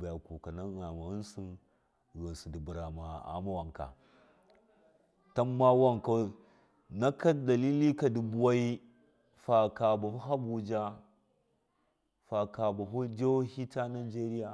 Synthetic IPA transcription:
ba˨ja˨ku˨ka˨na˦ɣa˨ma˨ɣu˦n˦su˦ | ɣo˨n˨su˨di˨bu˨ɾa˨ma˨a̰˨˦ma˦wa˨ŋka̰˨ | ta˦mːa˦wa˦ŋka˨˦ | na˦ka˦da˨li˦li˦ka˨di˨bu˦wa˦i˦ | fa˨ka˨ba˨hu˦ɦa˦bu˨d͡ʒa˦ | fa˨ka˨ba˨ɦu˦d͡ʒo˦hi˦ta˦na˨d͡ʒe˦ɾi˦ja˨

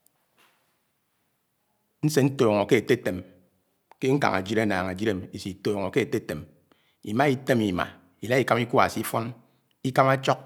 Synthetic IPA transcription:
n̩˦se˨n̩˦toː˨ŋo˨ke˦e˨te˦te˨m | ke˦ŋ̩˦ka̰˨ŋa̰˨d͡ʒi˦ɾa˦na̰ː˨ŋa˨d͡ʒi˦ɾe˦˨m˨i˨si˨toː˨ŋo˨ke˦e˨te˦te˨m | ḭ˨ma˦i˦te˦mi˨ma̰˨ | i˨la˦i˨ka˦m˦i˦ku˦a̰˨si˦fwa˦ŋ | i˦ka˦ma˦t͡ʃɔ˦k̚

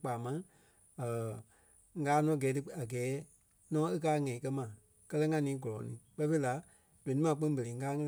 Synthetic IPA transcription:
k͡paː˨mã˨˦ | əː˨ | ŋ˦˧aː˨˦nɔ̃˨˦˨ɡɛː˨˦tɨ˧a˨ɡɛː˨˦ | nɔ̃ː˨˦e˦kaː˦˧ŋɛ̃˨ĩ˨kɜ˧mã˨ | kɜ˦lɜ˦ŋã˧nĩː˨˦ɡɔ˨lɔ˨˦nḭ̃ː˨˦k͡pɛ˧˦fe˦la˨˦ | d̥ɛ̃˨nĩ˦ã˨˦k͡pɨ̃˦ŋ˦bə˨ẽ˨˦˧aː˨˦ŋɛ̃˦

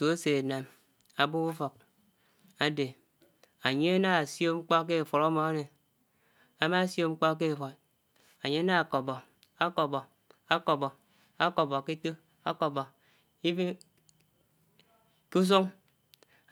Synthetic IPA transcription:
su˨a˦se˨na˨m | a˨bu˦u˦fo˨k̚ | a˦de˨ | a˨ɲe˦a˦na˦a˨so˦ŋ͡m̩˦k͡pɔ˦k̬e˦˨fo˨ɾɔ˦mɔ˨a˦ne˨ | a˦ma˦sjo˦ŋ͡m̩˦k͡pɔ˦k̬e˦˨fo˨ɾ | a˨ɲe˦a˦na˦a˨ko˨bɔ˨ | a˦kɔ˨bɔ˨ | a˦kɔ˨bɔ˨ | a˦ko˨bɔ˨ki˦to˦ | a˦kɔ˨bɔ˨ | i˦bi˦ | ku˦s̬o˦ŋ

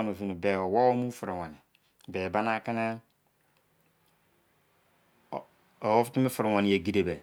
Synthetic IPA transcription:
n˨o˨vi˨ni˨be˨o˨wɔ˦wo˦mu˦fu˨ɾe˨wa˨ni˨ | be˨ba˦na˦kɪ˦ne˦ | o˨wo˦fti˦mɪ˦fu˨ɾɪ˨wa˨ni˨je˨ɡi˨de˨be˨

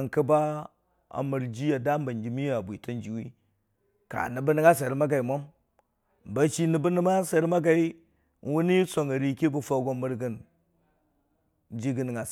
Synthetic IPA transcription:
ŋkə˦ba˦ | a̰˨mə˨ɾd͡ʒi˦ja˨da˦m˦ba˨nd͡ʒi˨mi˦ja˨bʷi˨ta˦nd͡ʒi˨wi˦ | ka̰˨nə˨bə˦ni˦ŋa˦s̬e˨ɾi˦ma˦ɡa˨i˨mo˦m | ba˦t͡ʃi˦ni˨bə˦nə˦ma˦sa˨ɾma˦ɡa˨i˦ | wu˦ni˦so˨ŋə˨ɾi˦ki˦bu˦fa˦ɡo˦mːə˦ɾɡə˦n | d͡ʒi˦ɡə˦n˨ŋa˨

